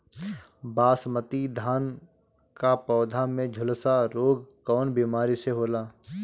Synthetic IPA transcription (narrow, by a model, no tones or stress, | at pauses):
baːsmət̪id̪ʱaːn | kapɔːd̪ʱamẽd͡ʒʱʊlsaɾoːɡkɔːnbiːmaːɾiseɦoːlaː